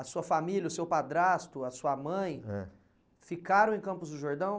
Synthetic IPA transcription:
ɐsuɐfamiljɐʊsewpad̪ɾast̪ʊɐsuɐmɐ̃j̃ɛ̰ | fikaɾɐ̃w̃ẽj̃kɐ̃mpʊzd̪ʊʒoɾd̪ɐ̃w̃

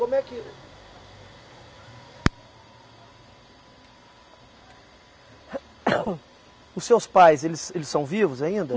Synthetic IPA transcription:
kõmʊɛkilʊ | ʊsːewspajzelɪselɪsːɐ̃w̃vivʊzaĩnd̪ɐ

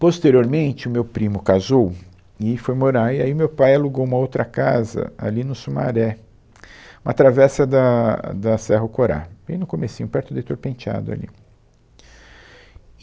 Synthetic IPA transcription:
post̪eɾioɾmẽnt͡ʃɪʊmewpɾĩmʊkazow | ɪfojmoɾaɾɪaiʊmewpajaluɡowũmɐowt̪ɾɐkazɐ̰a̰linʊsuma̰ɾɛ | ũmɐt̪ɾavɛsɐd̪ɐd̪ɐsɛɦɐkoɾa̰bẽj̃nʊkomesĩɲʊpɛɾt̪ʊd̪et̪oɾpẽnt͡ʃa̰d̪ʊa̰lḭ

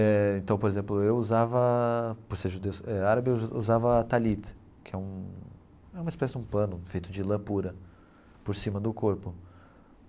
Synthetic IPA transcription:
ɛẽnt̪ɐ̃w̃poɾezẽmplʊewuzavɐpoɾseɾʒud̪ewsɛaɾabɪṵzavɐt̪alit̪ | kʰɪɛũ | ɛũmɐispɛsɪd͡ʒũpɐ̃nʊfejt̪ʊd͡ʒɪlɐ̃puɾɐ | poɾsĩmɐd̪ʊkoɾpʊ

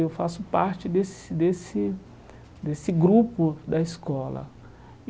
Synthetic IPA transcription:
ewfasʊpaɾt͡ʃɪd̪esɪd̪esɪ | d̪esɪɡɾupʊd̪ɐiskɔlɐ̰

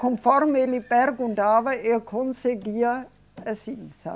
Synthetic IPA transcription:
kõnfɔɾmelipɛɾɡũnt̪avɐelkʰõnseɡiɐ | ɐsĩŋsa̰

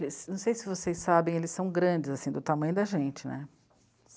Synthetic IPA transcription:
lɪsnɐ̃w̃sejsɪvosejsabẽj̃elɪsɐ̃w̃ɡɾɐ̃d͡ʒɪzasĩd̪ʊt̪amɐ̃j̃ʊd̪ɐʒẽt͡ʃɪnɛ̰

